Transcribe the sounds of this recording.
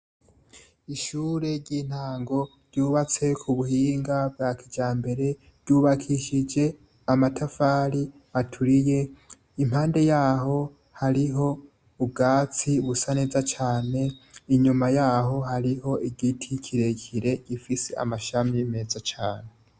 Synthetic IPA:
iʃuːɾe̞ɾɟiːn̥haːŋɡo̞ɾɟuːβat͡se̞kʰuβuhiːŋɡab̚ɡaːkʰid͡ʒaːmbe̞ɾe̞ | ɾɟuːβakʰiʃid͡ʒe̞ | amatʰafaːɾi | atʰuɾije̞ | im̥haːnde̞jaːɦo̞ | haɾiɦo̞ | ub̚ɡaːt͡siβusane̞ːzat͡ʃaːne̞iɲumajaːɦo̞haɾiho̞iɡitʰikʰiɾe̞kʰiɾe̞ɟ̥ifise̞̰a̰maʃamime̞ːzat͡ʃaːne

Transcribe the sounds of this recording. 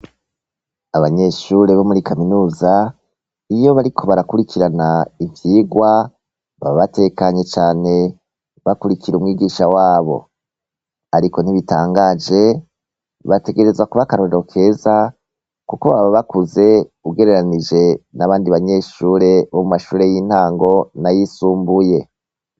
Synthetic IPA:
aβaɲe̞ʃuɾe̞βo̞muɾikaminuːza | ijo̞βaɾikʰo̞βaɾakuɾikiɾanaivjiːɡwa | βaβaβate̞kaɲe̞t͡ʃaːne̞ | βakuɾikiɾumŋiːɡiːʃawaːβo̞̰ | aɾiko̞n̥iβitaːŋɡaːd͡ʒe̞ | βate̞ɡe̞ɾe̞zakuβakaɾo̞ɾeɾo̞kʰe̞za | kukoβaβaβakuze̞uɡe̞ɾe̞ɾanid͡ʒe̞naβaːndiβaɲe̞ːʃuːɾe̞βo̞mumaʃuːɾe̞jiːn̥haːŋɡo̞najisuːmbuje̞

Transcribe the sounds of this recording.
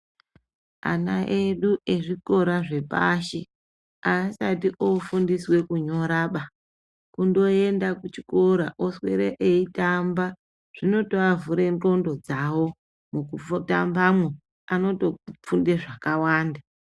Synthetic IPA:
a̰naʔeɗuʔe̞ʐiko̞ɾaʐe̞pa̰ʃe̞ | aːsatiʔofundiswe̞kuɲo̞ɾaːɓa | kundo̞e̞ndakut͡ʃikoɾaʔoswe̞̰ɾeʔeitamba | ʐ̥ino̞to̞avuɾe̞nro̞ndo̞d͡zawo̞ | mukuota̰mbamwe | ano̞to̞p͡fundeʐakawaːnda

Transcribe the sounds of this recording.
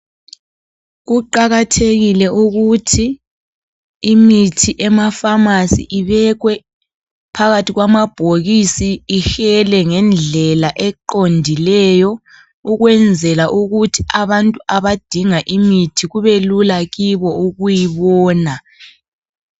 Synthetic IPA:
ɣuǃaɣatʰeɣilɛʔuɣutʰi | mitʰiʔɛmafamasḭʔiβɛɣwɛ | pʰaɣatʰiɣwamab̥ʱoɣisiːxɛlɛŋɛnd͡ɮʱɛlaʔɛǃondʱilɛjɔ | uɣwɛnd͡zʱɛlaʔuɣutʰi̥aβantʼuaβad̥ʱiŋaʔimitʰiɣuβelulaɣiβɔuɣujiβɔːna

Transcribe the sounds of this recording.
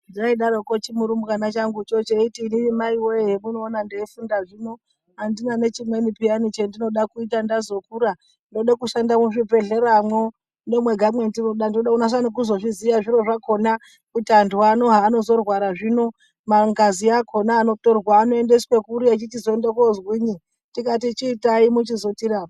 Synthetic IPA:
ndiaiɗaɾo̞ko̞t͡ʃimuɾumukanat͡ʃaŋɡut͡ʃo̞t͡ʃeitiːninimaiwojeɦemuno̞ːnandeːfundaʐino̞ | andinane̞t͡ʃimwe̞nipianit͡ʃendino̞ɗakuitandazo̞kuɾa | ndo̞ɗakuʃandamuʐipe̞ɮe̞ɾamo̞ | ne̞mwe̞ɡʱamwe̞ntinoɗandinoɗakunas̬anik̬uzo̞ʐizijaʐiɾo̞ʐakʰo̞na | kutiandʰuano̞ɦaːno̞zo̞rwaɾaʐino̞ | maŋɡaziakʰo̞naːno̞torwaːno̞e̞nde̞swekuɾiat͡ʃitizoendekozwiːɲi | tikatit͡ʃiːtaimut͡ʃizo̞tiɾaːo

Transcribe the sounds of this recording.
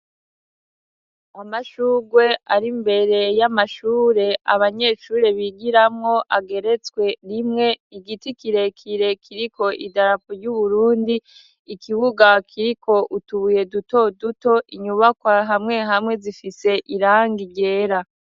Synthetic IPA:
amaʃuːɡwe̞aɾimbe̞ɾe̞jamaʃuːɾe̞aβaɲe̞ːʃuːɾe̞βiɡiɾamŋo̞ʔaɡe̞ɾe̞t͡swe̞ɾimŋe̞iɡitikiɾe̞kʰiɾe̞kʰiɾiko̞ʔidaɾapoɾɟuβuɾuːndiː | kʰiβuɡakʰiɾikʰo̞ʔutuβuje̞duto̞duto̞ʔiɲuβakwaɦamŋe̞ɦamŋe̞zifise̞ʔiɾaːŋɡiɟe̞ːɾa

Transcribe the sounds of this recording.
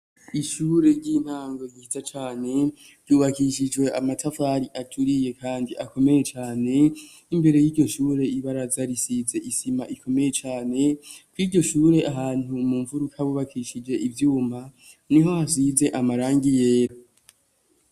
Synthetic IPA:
iʃuːɾe̞ɾɟiːn̥haːŋɡo̞ihizat͡ʃaːne̞ | ɾjuːβakiʃid͡ʒwe̞ʔamatʰafaːɾiʔat͡ʃuɾije̞kʰaːndiʔako̞me̞je̞t͡ʃaːne̞ | imbe̞ɾe̞jiːɾɟo̞ʃuːɾe̞iβaɾazaɾisize̞ʔisimaʔikʰo̞me̞je̞t͡ʃaːne̞kwiːɟo̞ʃuːɾe̞ʔaɦaːn̥umuːɱvuɾukʰaβuːβakʰiʃid͡ʒe̞ʔivjuːma | niɦo̞has̬ize̞ʔamaɾaːŋɡije̞ːɾo

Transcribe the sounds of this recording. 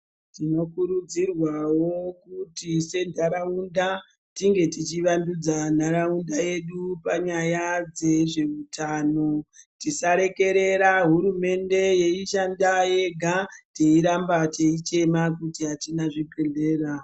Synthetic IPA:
tino̞kuɾud͡zirwawo̞kutise̞ndaɾaunda | tiŋɡe̞tit͡ʃiʋandud͡zanaɾaundaje̞ɗupaɲajad͡ze̞ʐe̞utʰaːno̞tisaɾe̞ke̞ɾe̞ɾaɦuɾume̞nde̞je̞iʃandaje̞ɡʱate̞iɾambate̞it͡ʃe̞makutiɦatinaʐipe̞ɮe̞ːra

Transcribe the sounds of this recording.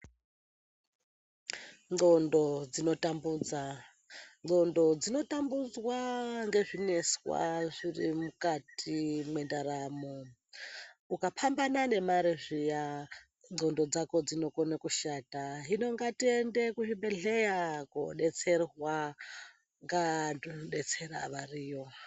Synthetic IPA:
ŋ͡ǃo̞ndo̞d͡zino̞tambuːd͡za | ŋ͡ǃo̞ndo̞d͡zino̞tambud͡zwaŋɡe̞ʐine̞swa̰ʐirimukatʰimwe̞ndaɾaːmo | ukapʰambanane̞maɾeʐija | ŋ͡ǃo̞ndo̞d͡zako̞d͡zino̞konakuʃataɦino̞ŋɡatiendekuʐibe̞ɮejako̰ɗe̞t͡se̞rwa | ŋɡandonoɗe̞t͡se̞ɾa̰ʋariːjo̞

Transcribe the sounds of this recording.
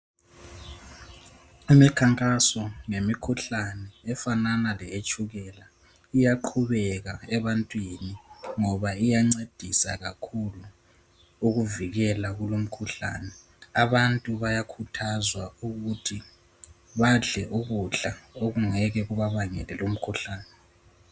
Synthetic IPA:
imikʰaŋkʼasɔŋemikʰuɬanɛːfananalɛet͡ʃʼuɣɛla | ijaǃʰuβɛɣaɛβantʼwiniŋɔβaijaŋ͡ǀed̥ʱisa̰ɣa̰kʰuluː | ɣuviɣɛlaɣulom̩kʰuɬa̰ːnɛ | aβantʼuβajakʰutʰazwauɣutʰi | βaɮɛʔuɣuɮaoɣuŋɛɣɛɣuβaβaŋɛlɛlom̩kʰuɬaːnɛ

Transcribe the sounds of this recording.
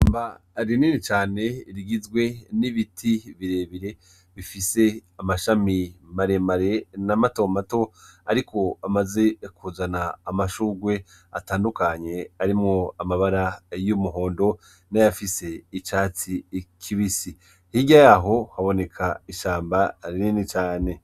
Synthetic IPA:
mbaɾiniːnit͡ʃaːne̞iɾiɡizɡwe̞niβitʰiβiɾe̞ːβiɾe̞ | βifise̞amaʃamimaɾe̞maɾenamato̞mato̞aɾiko̞amaze̞kuzanaːmaʃuːɡwe̞ | ataːndukaɲe̞aɾimŋo̞amaβaɾajumuɦo̞ːndo̞ | najafise̞it͡ʃaːt͡sikʰiβisi | hiɟajaɦo̞haβo̞ne̞kʰaiʃaːmbaɾininit͡ʃaːne̞

